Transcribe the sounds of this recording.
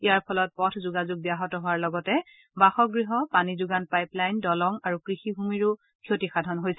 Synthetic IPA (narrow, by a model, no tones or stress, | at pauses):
ijaɹpʰɔlɔt̚pɔtʰzuɡazuɡ̚bijaɦɔtɔɦoaɹlɔɡɔtɛ | baxɔɡɹiɦɔpanizuɡanpajplajndɔlɔŋaɹukɹixiɦumiɹu | kʰiotixadʱɔnɦojsɛ